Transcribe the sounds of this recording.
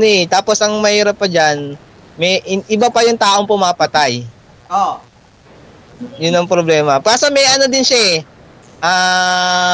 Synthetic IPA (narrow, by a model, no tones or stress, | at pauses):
noɛt̪aːposʔɐŋmɐhiːɾɐpːɐd͡ʒan | mɛʔɪʔɪbapɐjʊŋt̪aːʔo̞ŋpʊmaːpɐt̪aj | o | jʊnːɐŋpɾoblɛːmɐkaːsɐmɛjʔɐnod̪ɪnʃaɛ | ʔaː